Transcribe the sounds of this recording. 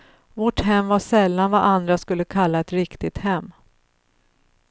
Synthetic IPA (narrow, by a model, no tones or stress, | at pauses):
vɔʈɦɛmːvaʂɛlːanvaʔand̪ɾaskɵlːəkʰalːaɛt̪ɾɪkt̪ɪt̪hɛmː